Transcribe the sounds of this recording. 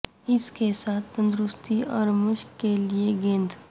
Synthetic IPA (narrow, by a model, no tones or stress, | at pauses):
ɪskesaːt̪ʰːə̃nd̪ɾʊst̪iɔːɾmʊʃkkelieɡẽːnd̪